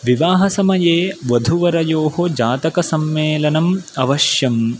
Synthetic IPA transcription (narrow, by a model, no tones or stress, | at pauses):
ʋiʋaːɦɐsɐmɐjeːʋɐd̪ʱuʋɐɾɐjoːɦod͡ʒaːt̪ɐkɐsɐmːeːlɐnɐmɐʋɐʃjɐm